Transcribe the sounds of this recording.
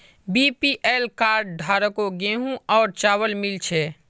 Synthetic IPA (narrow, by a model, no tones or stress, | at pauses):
bipiʔeːlkaːɾɖɖʱaːɾəkoɡeɦũɔːɾt͡ʃaːwəlmɪlt͡ʃʰɛ